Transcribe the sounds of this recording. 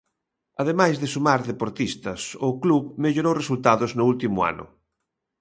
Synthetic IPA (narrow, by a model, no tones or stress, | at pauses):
aðemajzðɪsumaɾðepoɾt̪ist̪ɐsʊkluβmeʎoɾowresult̪aðʊznʊult̪imʊa̰nʊ̰